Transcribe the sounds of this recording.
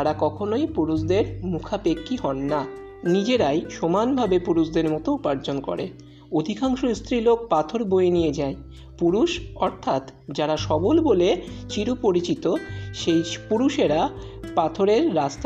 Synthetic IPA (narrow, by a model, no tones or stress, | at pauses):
aɾakɔkʰonojpuɾuʃd̪eɾmukʰapekːiɦɔnːa | nid͡ʑeɾajʃomanbʱabepuɾuʃd̪eɾmɔt̪oupaɾd͡ʑonkɔ̰ɾe | od̪ʱikʰaŋʃoist̪ɾilok̚pat̪ʰoɾboenijed͡ʑae | puɾuʃɔɾt̪ʰat̪d͡ʑaɾaʃɔbolbolet͡ɕiɾupoɾit͡ɕit̪oʃejpuɾuʃeɾa | pat̪ʰoɾeɾːast̪